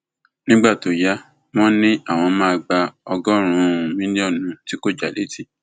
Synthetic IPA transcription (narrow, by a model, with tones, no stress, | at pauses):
nĩ˦ɡ͡ba˦˨to˨ja˨˦ | w̃ɔ̃˦nĩ˦a˦˨w̃ɔ̃˧mã˦a˧ɡ͡ba˧ɔ˧ɡɔ˦ɾ̃ũ˨˦˨ũ˨mĩ˦nĩ˦ɔ˦˨nũ˧˦ti˦ko˦d͡ʒa˨le˨˦ti˦